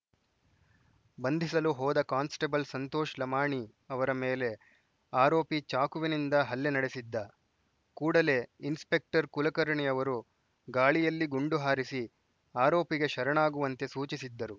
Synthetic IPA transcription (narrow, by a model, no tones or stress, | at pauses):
bɐnd̪ʱisɐluɦɔːd̪ɐkaːnsʈebɐlsɐnt̪oːʃlɐmaːɳi | ɐʋɐɾɐmeːle̞ | aːɾo̞ːpit͡ʃaːkuʋinind̪ɐɦɐlːenɐɽesid̪ːɐ | kuːɽɐle̞inspe̞k̚ʈɐɾkulɐkɐɾɐɳijɐʋɐɾu | ɡaːɭijɐlːiɡuɳɖuɦaːɾisi | aːɾo̞ːpiɡe̞ʃɐɾɐɳaːɡuʋɐnt̪e̞suːt͡ʃisid̪ːɐɾu